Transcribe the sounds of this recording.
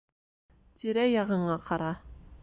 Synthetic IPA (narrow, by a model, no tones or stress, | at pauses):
t̪ʰiɾæjɑʁɤ̆ɴɑqʰɑɾɑ